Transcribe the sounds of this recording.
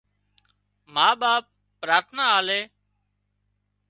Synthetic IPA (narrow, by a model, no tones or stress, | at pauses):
maːɓaːp̚ːɾaːɾt̪ʰnaːaːleː